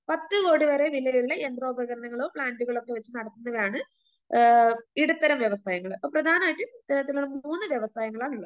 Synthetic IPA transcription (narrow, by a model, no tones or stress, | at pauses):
pɐt̪ːɨko̞ːɽiʋɐɾe̞ʋilːɐjuɭːɐend̪ro̞ːbʱɐɣɐɾɐɳɐŋːɐɭo̞ːpɭaːnduɣɐɭo̞kːe̞ʋɐt͡ɕːɨnɐɽɐt̪ːunːɐʋɐjaːɳɨ | iɽut̪ːɐɾɐmʋjeʋɐsaːjɐŋːɐɭpːoːprɐd̪ʱaːnɐmaːjitːɨt̪ːɐɾɐt̪̬ːiloːmuːnːɨʋjeʋɐsaːjɐŋːɐɭaːɳuɭːɐ